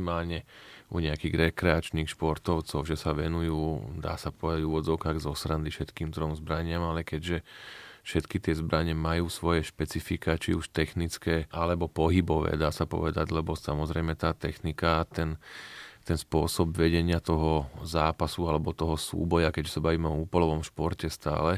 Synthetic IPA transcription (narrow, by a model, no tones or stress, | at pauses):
maːlɲɛuɲɛakiːɣɾɛkɾɛat͡ʃniːxʃpɔɾt̪ɔʊt͡sɔʊʒɛsaʋɛnujuːd̪a̰ːsapɔʋɛd̪aɟuʋɔd͡zɔʊkaːɣzɔsɾand̪ifʃɛt̪kiːmd̪ɾɔmzbɾaɲɪamalɛkɛɟʒɛfʃɛt̪kit̪ɪɛzbɾaɲɛmajuːsʋɔjɛʃpɛt͡sifikat͡ʃiuʃt̪ɛxnit͡skɛːalɛbɔpɔɦibɔʋɛ̰ːd̪aːsapɔ̰ʋɛd̪aɟlɛbɔsamɔzɾɛjmɛt̪aːt̪ɛxnikaːt̪ɛnt̪ɛnspʊɔsɔbʋɛɟɛɲɪat̪ɔɦɔzaːpasualɛbɔt̪ɔɦɔsṵːbɔjakɛɟʒɛsabaʋiːmɛɔuːpɔlɔʋɔmʃpɔɾcɛst̪a̰ːlɛ